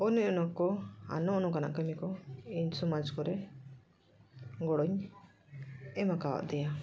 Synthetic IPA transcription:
ɔniʔɔnɔkɔa̰nɔɔnɔkana̰ʔkəmikɔiɲsɔmad͡ʒkɔɾɛ | ɡɔɽɔɲ | ɛmakawa̰ʔd̪ɛja

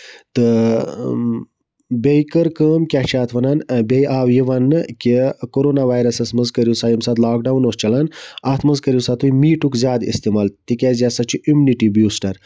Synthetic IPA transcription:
t̪ɨ | bʲejkəɾkəːmkʲat͡ʃʰaːt̪ʰʋɐnɐnbejʔaːwjiʋɐnːɨkʲikoɾoːnaʋaːjɾɐsɐsmɐnzkəɾjusaːjimsad̪laːk̚ɖawnoːst͡ʃɐlɐnɐt̪ʰmɐnzkəɾjiwsat̪ʰujmiːʈukzʲjaːd̪ḭst̪imalt̪ikʲazjasɐt͡ʃʰiʔumuniʈibjuːsʈɐɾ

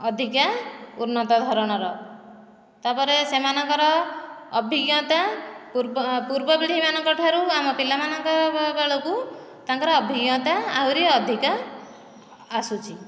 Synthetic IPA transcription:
ɔd̪ʱikauɾnɔt̪ɔd̪ʱɔɾɔɽ̃ɔɾɔ | t̪apɔɾesemanɔŋkɔɾɔː | bʱiɡjɔ̃t̪a | puɾbɔbiɽʱimanɔkɔʈʰaɾuamɔpilamanɔŋkɔɾɔbeɭoku | t̪aŋkɔɾɔːbʱiɡjɔ̃t̪aawɾiɔd̪ʱika | sut͡ʃʰi

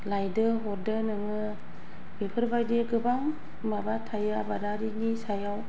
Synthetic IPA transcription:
lajdɯɦɔɾdɯnɯŋɯ | b̥epʰɯɾbajdeɡɯbaŋ | mabatʰajabadaɾinisajaw

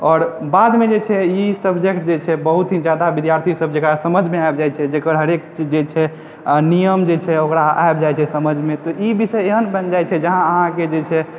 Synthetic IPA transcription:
ɔːɾbad̪med͡ʒet͡ʃʰɛisəbd͡ʒek̚ʈd͡ʒet͡ʃʰɛbəɦut̪ɦĩd͡ʒad̪abid̪jaɾt̪ʰisəb̚d͡ʒekɾasəməd͡ʒʱmeaebd͡ʒajt͡ʃʰɛd͡ʒekəɾɦəɾekt͡ʃid͡ʒet͡ʃʰɛ | nijəmd͡ʒet͡ʃʰɛokɾaa̰ebd͡ʒajt͡ʃʰɛsəməd͡ʒʱmet̪ɔʔibisəjeɦənbənd͡ʒajt͡ʃʰɛd͡ʒəɦãəɦãked͡ʒet͡ʃʰɛ

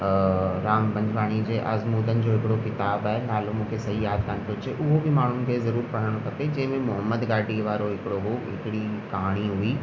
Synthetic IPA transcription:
ɾaːmbɐ̃ɲd͡ʑʱʋaːɽ̃id͡ʑeːʔɐzmuːd̪ənɪ̆d͡ʑoːɦɪkɪɽokɪt̪aːbaːɦenaːlomũːkʰesɐɦijaːd̪̚kãnt̪ot͡ɕʰeʔʊɦobɪmaːɳ̤ʊnɪ̆kʰezɐɾuːɾpɐɽ̤əɽ̃okʰɐped͡ʑɐ̃ɦɪ̃mẽmʊɦəmːəd̪ɡaːɖiʋaːɾoɦɪkɪɽoɦoɦɪ̰kɪɽikɐɦaːɽ̃iɦʊiː

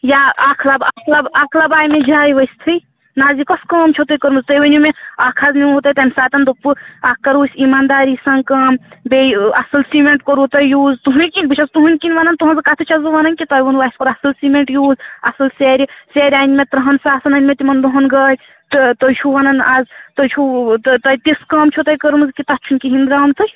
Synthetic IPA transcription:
jaaːkʰlɐbakʰlɐbaːkʰlɐbaːjmed͡ʒʱaːjʋɐjsʲt̪ʰɨ | naːzikɐskɐːmt͡ʃʰot̪ɨjkɐɾmɨzt̪ɐjʋɐnʲumeaːkʰazniot̪ɐjt̪ɐnʲsaːt̪ɐnd̪upɨakːɐɾuːsʲimaːnd̪aːɾisɐŋkɐːmbeɐsɐlsimeɳʈkɐɾut̪ɐjjuːzt̪uɦunʲkinʲbɨt͡ʃʰazt̪uɦunʲkinʋanɐnt̪uɦɐnzɨkat̪ʰɨt͡ʃʰɐzɨʋanɐnkit̪ɐjʋɐnʋaːisʲoɾɐsɐlsimeɳʈjuːzɐsɐlseɾʲiseːɾʲaːnʲmet̪ɾɐɦɐnsaːsɐnɐnʲmet̪imɐnd̪uɦɐnɡɐːjʲ | t̪t̪ɐjt͡ʃʰuʋaːnɐnazt̪ɐt͡ʃʰut̪t̪ɐjʲt̪iskɐːmt͡ʃʰot̪ɐjkəɾmɨzkit̪ɐt͡ʃʰunʲkiɦind̪ɾaːmt̪ɨj

